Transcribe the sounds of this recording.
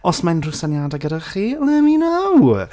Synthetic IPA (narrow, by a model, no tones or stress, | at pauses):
ɔsmanrʊsanjadaɡəɾaχiːlˠɛːminaw